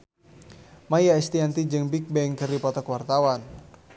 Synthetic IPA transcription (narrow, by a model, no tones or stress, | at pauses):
majaɛst̪iant̪id͡ʒɨŋbik̚bɛŋkəripɔt̪akwart̪awan